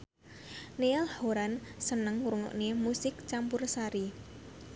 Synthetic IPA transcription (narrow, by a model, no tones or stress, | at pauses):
neɛlhoɾansənəŋuɾuŋɔ̰ʔnemusɪk̚t͡ʃampʊrsaɾi